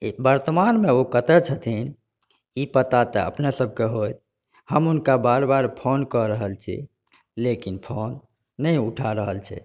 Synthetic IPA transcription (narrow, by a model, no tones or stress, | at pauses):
bəɾt̪əmanmeokət̪ɛt͡ʃʰət̪ʰin | ipət̪at̪əə̰pnesəb̚ʱkeɦoj | həmunkabaɾbaɾpʰonkɔɾəɦəlt͡ʃʰḭ | lekinpʰonː | əjuʈʰaɾəɦəlt͡ʃʰɛ̰